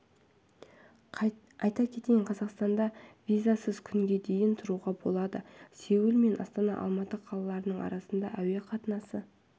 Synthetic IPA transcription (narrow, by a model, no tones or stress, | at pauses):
ɑjt̪ɑkʲʰe̞t̪ejɴqʰɑzɑqst̪ɑnd̪ɑvʲijzasəzkʲʰʏŋɡʲe̞d̪e̞jɪnt̪ʰʊɾuʁɑbo̞̰lˠɑd̪əse̞wɪlme̞nʔɑ̰st̪ɑnɑ̰ʔɑ̰lˠmɑt̪əqʰɑlˠɑlˠɑɾənəɴɑ̰ɾɑsənd̪ɑʔæwe̞qʰɑt̪ənɑsə